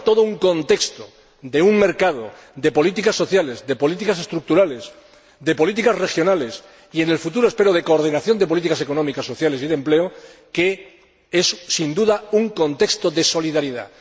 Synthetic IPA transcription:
t̪o̞ðouŋkõ̞nt̪e̞kst̪o | d̪e̞uŋme̞ɾkaðo | ðe̞po̞lit̪ikasːo̞θjale̞zðe̞po̞lit̪̬ikase̞st̪ɾuk̚t̪uɾale̞s | ðe̞po̞lit̪ikasre̞xjo̞nale̞s | ie̞ne̞lfut̪̬uɾoespe̞ɾoðe̞ko̞ːɾð̞inaθjo̞nd̪ep̬o̞lit̪ikase̞ko̞nomikasːo̞θjale̞siðe̞mpleoke̞ | e̞ssind̪uðauŋko̞nt̪ekst̪o̞ðe̞so̞liðaɾiða̰

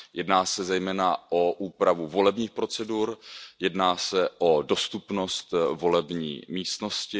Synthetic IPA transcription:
jɛdnaːsɛzɛjmɛːnaʔoʔuːpɾavuvo̞lɛbɲiːxpɾo̞t͡sɛduɾjɛdnaːsɛʔo̞do̞st̪upno̞st̪vo̞lɛbɲḭːmiːst̪no̞scɪ

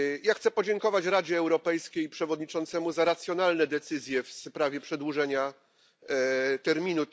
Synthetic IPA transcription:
jaxt̪sɛpɔd͡ʑɛŋkɔvat͡ɕɾad͡ʑɛːwɾɔpɛjskʲejpʂɛvɔd̪ɲit͡ʂɔnt̪sɛmuzaɾat̪sʲjɔnalnɛd̪ɛt̪sɘzʲjɛfspɾavʲjɛpʂɛd̪wuʐɛɲa | t̪ɛɾmʲinu

